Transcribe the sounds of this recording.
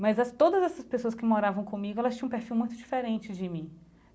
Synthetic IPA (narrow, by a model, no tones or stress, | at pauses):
mɐjzɐst̪od̪ɐzɛsɐspesoɐskɪmoɾavɐ̃w̃kõmiɡʊɛlɐst͡ʃĩɐ̃peɾfiwmũj̃t̪ʊd͡ʒifeɾẽnt͡ʃɪd͡ʒɪmĩ